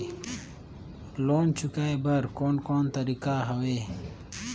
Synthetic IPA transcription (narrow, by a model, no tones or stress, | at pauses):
loːnt͡ɕʰukaːjbɐɾkoːnkoːnt̪əɾikaɦɐwe